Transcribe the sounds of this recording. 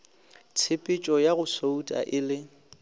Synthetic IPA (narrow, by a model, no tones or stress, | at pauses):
t͡sʰɪpʼɪt͡ʃʼɔjaɣʊsoutʼa̰ʔɪlɪ